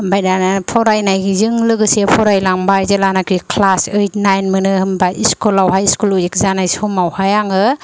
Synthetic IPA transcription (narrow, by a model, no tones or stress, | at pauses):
bajnanapʰɔɾajnajzɯŋlɯɡɯsepʰɔɾajlaŋbajzelanakʰɾikʰlasejtnajnmɯnɯhɯmbaʔiskulawɦajiskuluek̚zanajsɔmawhajaŋɯ